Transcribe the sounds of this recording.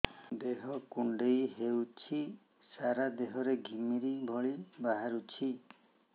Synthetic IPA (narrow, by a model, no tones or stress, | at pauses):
d̪eɦɔkuɳɖejɦewt͡ʃʰi | saɾad̪eɦɔɾeɡʱimiɾibʱɔɭibaɦaɾut͡ʃʰi